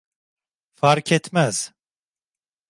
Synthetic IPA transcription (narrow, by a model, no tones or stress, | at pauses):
faɾkʰɛt̪mæz̥